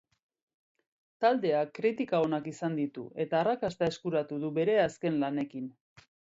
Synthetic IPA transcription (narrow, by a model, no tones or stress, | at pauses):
t̪ald̪e̞akːɾit̪ikao̞nakisand̪it̪ṵe̞t̪aːrakast̪ae̞skuɾat̪uðuβe̞ɾe̞aske̞nlane̞kin